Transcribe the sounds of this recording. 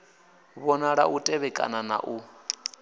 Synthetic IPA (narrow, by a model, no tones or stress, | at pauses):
βɔnaɺaʔutʼɛβɛkʼa̰nana̰ʔu